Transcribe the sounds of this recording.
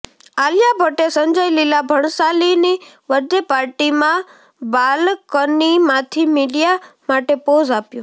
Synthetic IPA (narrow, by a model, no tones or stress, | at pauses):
aljabʱəʈesəɲd͡ʒəjlilabʱəɳsalini | ʋəɾd̪jəpaɾʈimã | balkənimãt̪ʰimiɖijamaʈepozapjũ